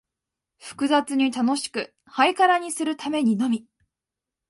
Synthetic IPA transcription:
ɸɯ̟̥kɯ̟zat͡sɨɲ̟it̪ano̞ɕi̥kɯ̟ | haikaɾaɲ̟isɨɾɯ̟t̪ame̞ɲ̟inomʲi

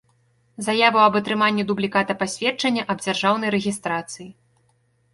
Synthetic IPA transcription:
zajavɐwɐbɐt̪ɾɨmanʲːid̪ublʲikat̪ɐpasʲvʲɛt͡ʂɐnʲːɐʔɐb̚d͡zʲarʐawn̪ɐjɾɛɣʲist̪ɾat̪sɨji

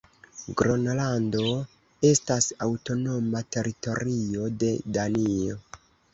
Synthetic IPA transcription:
ɡɾo̞nlando̞ | e̞stasawto̞no̞mate̞ɾito̞ɾio̞de̞danio

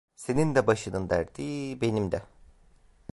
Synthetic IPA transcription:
se̞nind̪ɛbaʃɯnɯnd̪æɾd̪iːbe̞nimd̪ɛ

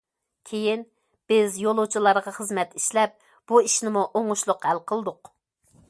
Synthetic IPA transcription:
kʲʰejin | b̥ɪzjolˠut͡ʃʰilˠɑɾʁɑχəzmɛt̪iʃlɛp̚ | b̥uiʃnɪmuʔoŋuʃlˠʊqhælqʰəlˠd̪ʊq

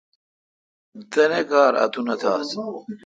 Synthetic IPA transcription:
t̪ɐnekaːɾɐ̰t̪ʰunɐt̪ʰaːs

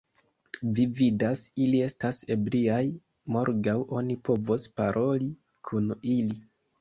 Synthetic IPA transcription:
vividasilie̞stase̞bliaj | mo̞ɾɡawo̞nipo̞vospaɾʔo̞li | kʰunili

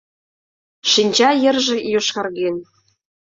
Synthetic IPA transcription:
ʃinʲd͡ʑɑjə̆rʒĕjoʃkɑrɣen

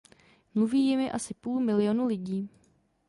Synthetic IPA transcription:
mluviːjɪmɪʔasɪpuːlmɪlɪjonulɪɟiː

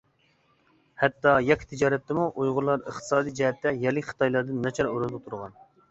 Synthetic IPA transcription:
hɛt̪ːɑjɛkʲʰːi̥t̪ʰɪd͡ʒɑːɾɛt̪ːɪmuʔujʁʊɾlˠɑɾəχt̪ʰɨ̥sɑːd̪ijd͡ʒɛɦɛt̪ːɛjɛlːɪkʲχə̥t̪ʰɑjlˠɑɾd̪ɨnːɛt͡ʃʰɑɾoɾɨzot̪ʰuɾʁɑn

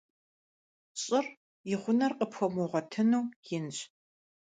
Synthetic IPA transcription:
ɕʼɪr | jɪχʷʊnɐrqʼəpxʷɔmoʁʷɔtʰɨnuːjɪnɕ

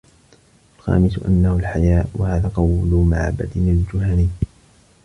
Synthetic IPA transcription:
ʔalxa̰ːmɪsʊʔa̰nːahʊlħajaːʔwa̰haːðaːqɑwlʊmaʕa̰ba̰d̪ɪnɪld͡ʒʊhaːniː

